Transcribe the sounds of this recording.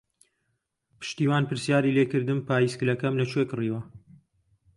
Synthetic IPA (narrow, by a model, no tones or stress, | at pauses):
pʰɨ̥ʃt̪iːwaːnpɨɾsjaːɾileːkɨɾd̪ɨmpaːjisklɐkɐmlɐt͡ʃwekɨriːwɐ